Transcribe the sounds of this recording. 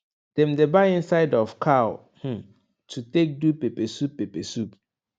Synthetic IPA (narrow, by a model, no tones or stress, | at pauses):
d̥ɛ̃mdebaĩnsaɪdɔfkʰaʊ | h̩ | tʰutek̚dupepɛsupːepɛsup̚